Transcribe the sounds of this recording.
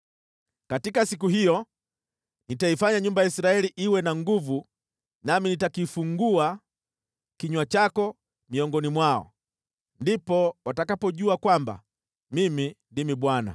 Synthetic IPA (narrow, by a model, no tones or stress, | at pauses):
katikasik̬uɦijɔ | nitaifaɲaɲumbajaisɾaɛliʔiwɛnaŋɡuvu | naminitakifuŋɡua | kiɲwat͡ʃakɔ | miɔŋɡɔnimwaɔ̰ | ndipɔwatakapɔʄuakwamba̰ | mimindimiɓwana̰